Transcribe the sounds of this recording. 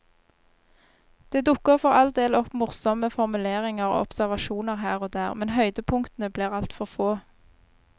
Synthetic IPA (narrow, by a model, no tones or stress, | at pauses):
d̪̥eːd̪ʊkːəʁfɔʁɑld̪eːlɔpmʊʁsɔməfɔʁmʉleːʁɪŋəʁo̰ːɔpsæʁʋɑʃuːnəʁhæːʁoːd̪æːʁmɛnhœʏd̪əpʰʊŋkt̪n̩əbliːʁɑlt̪fɔʁfoː